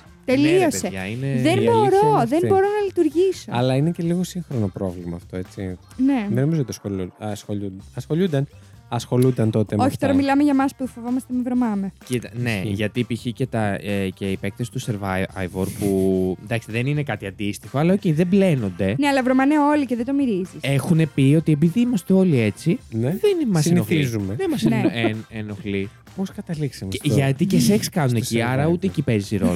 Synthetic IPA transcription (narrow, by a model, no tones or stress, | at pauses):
t̪e̞lioseeʝɐineððenbo̞ɾo̞ðe̞nbo̞ɾo̞nɐlit̪uɾʝiso̞ɐlɐinece̞liɣo̞siŋxɾonopɾo̞vlimɐːft̪o̞e̞t͡sḭ | neðeno̞mizot̪ɐsolusxoʎud̪ɐsxoʎund̪ɐn | ɐsxo̞lund̪ɐnt̪o̞t̪eoçi̥t̪o̞ɾɐmilɐmeʝɐmɐspufovo̞mɐst̪emevɾo̞mɐmecit̪ɐne̞ʝɐt̪ipiçice̞t̪ɐceipek̚t̪esi̥t̪useɾva̰jvoɾpund̪ɐkist̪eðeninekɐt̪iɐnd̪ist̪ixo̞ɐlɐoceiðeble̞no̞nd̪e̞neɐlɐvɾomɐneo̞liceðed̪omiɾizise̞xune̞pio̞t̪ie̞p̬iðiimɐst̪eo̞lie̞t͡sinðenimɐsenioizumeðemɐsneeneno̞xli | poskɐt̪ɐliksɐmʝɐt̪ieseçskɐnuneciɐɾɐut̪eːcipe̞zisiɾo̰l